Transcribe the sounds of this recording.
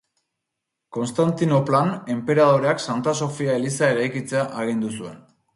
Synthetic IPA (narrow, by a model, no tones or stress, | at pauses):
ko̞nst̪ant̪ino̞plane̞mpe̞ɾað̞o̞ɾe̞aksant̪aso̞fiaelisae̞ɾajkit͡seaʔaɣ̞ind̪usue̞n